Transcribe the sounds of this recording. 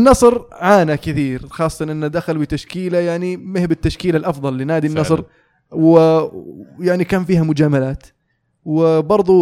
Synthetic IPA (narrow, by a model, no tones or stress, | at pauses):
nːɑsˤɾʕaːnakɪθiːɾxɑːsˤːɑt̪ɑnʔɪnːad̪axalbɪt̪aʃkiːlajaʕnimɪhbɪt̪ːaʃkiːlalʔɑfðˤɑlːinaːd̪inːɑsˤɾ | wɪ | jaʕnikaːnfiːhamʊd͡ʒaːmalaːt̪ | wɪbɑɾˤðˤu